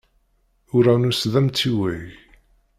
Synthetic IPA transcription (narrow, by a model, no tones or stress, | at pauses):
ʊɾæwnusðæmt͡sːiwiʝ